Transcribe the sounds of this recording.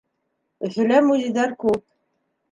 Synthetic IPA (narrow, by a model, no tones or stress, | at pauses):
ɵ̆θɵ̆læmuziðæɾkʉp̚